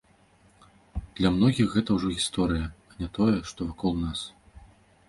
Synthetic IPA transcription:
d̪̥lʲɐmnɔɣʲixɣɛt̪ɐwʐɔɣʲist̪ɔɾɨjɐanʲɛt̪ɔjɛʂt̪ɔvakɔlˠnas

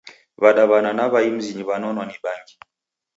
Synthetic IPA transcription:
βaɗaβananaβaim̩ziɲiβanɔnwaniɓaŋɡi

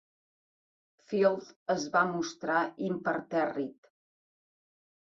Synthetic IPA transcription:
filˠd̪əzβamust̪ɾaimpəɾt̪ɛrit̪

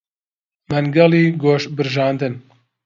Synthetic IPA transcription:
mɐnɡɐliːɡoːʃbɨɾʒɑːnd̪ɨn

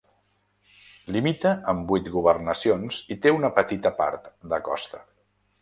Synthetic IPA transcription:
limit̪əʔəmbujt̪ɣuβərnəsionzit̪eunəpət̪it̪əpa̰ɾt̪d̪əkɔ̰st̪ə

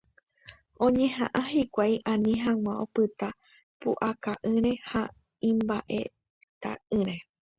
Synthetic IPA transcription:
õ̞ɲẽ̞ɦã̰ʔãhikʷajʔãnĩɦãw̃ãopɨt̪a | puʔakaʔɨ̃ɾe̞ha | ĩmbaʔe̞̰ | t̪a̰ʔɨ̃ɾẽ̞

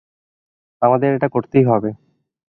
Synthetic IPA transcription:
amad̪eɾeʈakoɾt̪ejɦɔbe

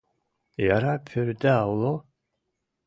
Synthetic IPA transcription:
jaɾapʰøɾd̪ɛawlˠo

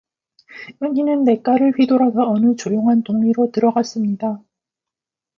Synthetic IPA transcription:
jʌŋinɯnːe̞k͈aɾɯɭɸɥidoɾaɡaʌnɯt͡ɕojoŋɦantoŋɲiɾotɯɾʌɡas͈ɯmɲida

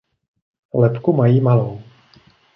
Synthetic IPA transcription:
lɛpkumajiːmalow

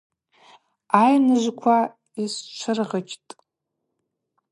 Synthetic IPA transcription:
ajnɨʒʷkʷʰa | ist͡ʃʷʰɨrʁət͡ʃʰʼtʼ

